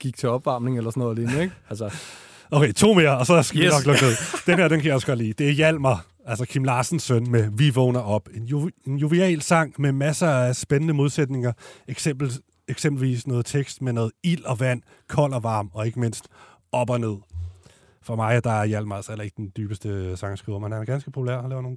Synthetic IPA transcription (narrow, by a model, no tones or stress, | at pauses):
ɡ̥iɡ̥t͡sʰe̝ɒ̽b̥ʋɑ̈mne̝ŋelɐsɒnɔð̩ˠleːnəeɡ̥ælsə | ʔoʊkʰeɪt͡sʰo̝̰ːme̝ɐɒ̽sɒ̽sɡ̥æʋinɒ̽ɡ̥lɔ̽ɡ̥ne̝ð̰ˠd̥enhe̝ɐd̥enkʰæjɑ̈ɒ̽sɡ̥ɒd̥lḭːd̥e̝æɐjæl̰mɐ | ælsɐkʰimlɑ̈ːsn̩sːœn̰meʋiʋɔːnɐʔɒ̽b̥e̝njenjuʋiɛ̰ːlsɑ̈ŋ̰memæsɐæsb̥enənəmo̝ð̞ˠsed̥ne̝ŋɐe̥eb̥̩ | eɡ̥sem̰b̥l̩ʋḭsnɔ̽ːð̩ˠt͡sʰeɡ̥sd̥menɔ̽ːð̩ˠil̰ɒ̽ʋæn̰ | kʰɒ̽l̰ɐʋɑ̈ːmɒ̽e̝ɡ̥əme̝n̰sd̥ | ɒ̽b̥ɒne̝ð̞̰ˠ | fɒmɑ̈ɪæd̥ɑ̈æɐjæl̰mɐælselɐe̝ɡ̥əd̥end̥yːb̥əsd̥əsɑ̈ŋəsɡ̥ʁiʊ̰ɐmenhænæɐɡ̥ænsɡ̥əpʰo̝pʰulæɐ̰ɒlɛːʊno̝ːn